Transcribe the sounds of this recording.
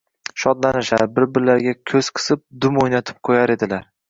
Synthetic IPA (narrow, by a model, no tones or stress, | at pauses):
ʃɒd̪lanɪʃaɾbɪɾbɪɾlaɾɡʲakʲʰɵz̥qʰɨ̥sɪp̚d̪ʊmojnat̪ʰɪ̥p̚qʰojaɾe̞d̪ɪlaɾ